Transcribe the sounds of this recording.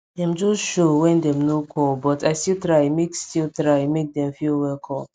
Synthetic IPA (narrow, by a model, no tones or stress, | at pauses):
dɛ̃md͡ʒɔsʃowɛ̃ndɛ̃mnokʰɔlbɔtaɪstiltɹaɪmekstiltɹaɪmek̚dɛ̃mfilwɛlkʰɔ̃m